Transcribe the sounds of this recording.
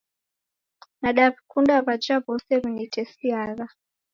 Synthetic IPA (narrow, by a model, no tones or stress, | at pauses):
naɗavikundaβad͡ʒabɔseβinitʰesiaːra